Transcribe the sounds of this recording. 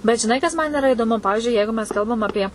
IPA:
bʲɛt ʒʲɪˈnɐɪ kɐs ˈmɐn ɪˈrɐ ɪdoːˈmʊ ˈpɑːʋʲɪʒʲʊɪ ˈjɛɪɡʊ mʲɛs ˈkɐlˠbɐm ɐˈpʲiɛ

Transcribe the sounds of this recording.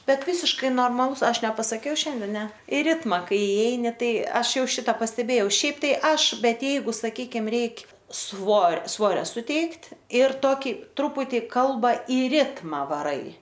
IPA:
ˈbʲɛt ˈʋʲiːsʲɪʃkɐɪ noːrmɐˈlˠʊs ˈɐʃ nʲɛpɐsɐˈkʲɛʊ ˈʃʲɛnʲdʲɛ ˈnʲɛ ɪ ˈrʲɪtmɐ ˈkɐɪ ɪˈɛɪnʲɪ ˈtɐɪ ˈɐʃ ˈjɛʊ ˈʃʲɪtɐ pɐsʲtʲɛˈbʲeːjɛʊ ˈʃʲɛɪp ˈtɐɪ ˈɐʃ ˈbʲɛt ˈjɛɪɡʊ sɐˈkʲiːkʲɪm ˈrʲɛɪkʲ ˈsʋoːr ˈsʋoːrʲoː sʊˈtʲɛɪktʲ ɪr ˈtoːkʲɪ ˈtrʊpʊtʲɪ ˈkɐlˠbɐ ɪ ˈrʲɪtmɐ ʋɐˈrɐɪ

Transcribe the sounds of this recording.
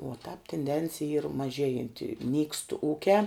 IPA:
oː tɑːp tʲɪnʲˈdʲɛnʲt͡sʲɪjɛ iːr mɐˈʒʲeːjɛnʲtʲɪ nʲiːkst ˈuːkʲæː

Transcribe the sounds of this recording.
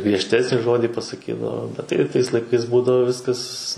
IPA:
ɡrʲiɛʃʲˈtʲæːsʲnʲiː ˈʒoːdʲiː pɐsɐˈkʲiːdɐʋoː bʲɛt tɐɪ ˈtɐɪs lˠɐɪˈkɐɪs ˈbuːdɐʋoː ˈʋʲɪskɐs

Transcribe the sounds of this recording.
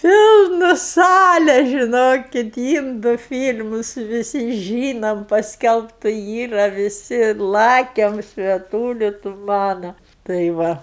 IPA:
ˈpʲɪlˠnʊ ˈsɑːlʲɛ ʒʲɪˈnoːkʲɪt ˈiːndʊ ˈfʲiːlʲmʊs ʋʲɪˈsʲɪ ˈʒʲiːnoːm pɐsʲˈkʲɛlˠptʊ ˈiːrɐ ʋʲɪˈsʲɪ ˈlˠɑːkʲɛm sʲʋʲiɛˈtuːlʲɪ tʊ ˈmɑːnɐ tɐɪ ˈʋɐ

